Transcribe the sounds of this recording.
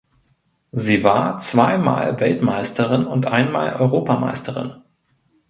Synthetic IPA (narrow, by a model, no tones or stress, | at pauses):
ziːvaːɐt͡sv̥aɪma̰ːlvɛltmaɪstʰəʁɪnʊntʔaɪnmaːlʔɔʏʁoːpama̰ɪstʰəʁɪ̰n